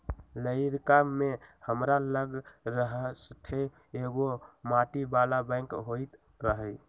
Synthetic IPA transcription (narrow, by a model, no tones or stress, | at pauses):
ləɪɾkamehəmɾaləɡɾəɦsəʈʰe | eɡomaʈibalabə̃ɪŋkɦojt̪ | ɾəɦəj